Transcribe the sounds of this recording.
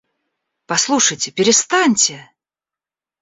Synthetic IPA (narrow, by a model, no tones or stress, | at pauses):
pɐslˠuʂəjtʲɪpʲɪɾʲɪst̪anʲtʲɪ